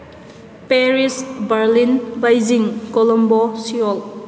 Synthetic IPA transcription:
peɾisbaɾlinbajziŋkɔlɔmbɔsiɔl

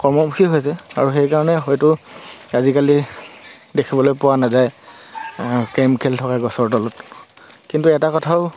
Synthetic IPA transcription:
kɔɹmɔmuxʰiɦojs̬ɛa̰ɹuxejkaɹɔnɛxojtʊazikali | dekʰibɔlojpʊwanazaj | kemkʰɛltʰɔkaɡɔsɔɹdɔlɔt | kintuɛtakɔtʰaʊ

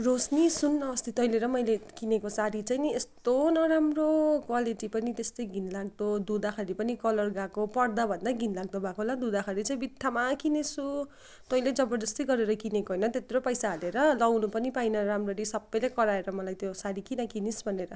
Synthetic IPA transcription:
rosnisunːʌʌst̪it̪ʌjleɾʌmʌjlekinekosaɾit͡sajest̪onʌɾamrokwaliʈipʌnit̪est̪ʌjɡʱinlaɡ̚d̪od̪ud̪axʰaɾipʌnikʌlʌrɡakopʌrd̪abʱʌnd̪aɡʱinlaɡ̚d̪obʱakoɦolad̪ud̪akʰaɾit͡saj̃bit̪ʰːamakinesu | t̪ʌjled͡zʌbʌd͡zʌst̪ʌjɡʌɾeɾʌkinekoɦʌjnʌt̪et̪ɾopʌjsaɦʌleɾʌlʌwnupʌnipajnʌɾamroɾisʌbːʌjlejkʌɾaeɾʌmʌlajt̪josaɾikinʌkinisbʱʌneɾʌ

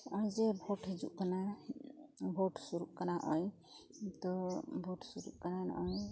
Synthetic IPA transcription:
ɔjd͡ʒebʱoʈɦed͡ʒṵʔkana | bʱoʈsuɾṵʔkanaʔɔj | t̪ɔbʱoʈsuɾṵʔkanan̰ɔj

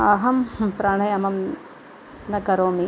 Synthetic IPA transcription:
aɦɐmpɾaːɳɐjɐmɐm | nɐkɐɾoːmi

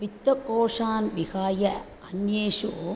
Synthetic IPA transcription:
ʋit̪ːɐkoːʂaːnʋiɣaːjɐ | ɐnjeːʂu

